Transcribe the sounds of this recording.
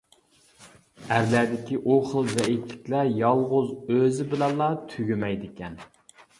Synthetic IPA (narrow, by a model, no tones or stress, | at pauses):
æɾlæd̪ɪkʲiʔoχəlˠzɛit̪lɪ̥kʲlæjɑlˠʁʊzøzɪbɪlɛnlˠːɑt̪ʰyɡʲymɛjd̪ɪkʲʰɛn